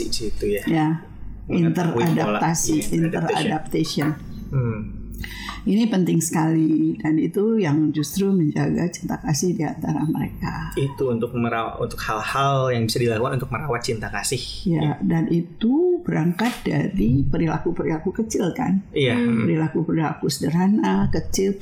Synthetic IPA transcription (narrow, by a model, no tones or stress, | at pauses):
isit̪ujaja | int̪əradap̚t̪asiint̪əra̰dap̚t̪asiɔn̩ | inipənt̪ɪŋsə̥kalidanit̪ujaŋd͡ʒust̪ɾuməɲd͡ʒaɡat͡ʃi̥nt̪akasɪhdia̰nt̪aɾaməɾḛkait̪uunt̪ʊk̚məɾaa̰ṵnt̪ʊkhalhaljaŋbisadilakukanunt̪ʊk̚məɾawat̪̚t͡ʃint̪akasɪhijadanʔit̪ubəɾaŋkat̪̚daɾipəɾila̰kupəɾilakukət͡ʃɪlka̰nijapəɾilakupəɾila̰kusədəɾanakət͡ʃɪl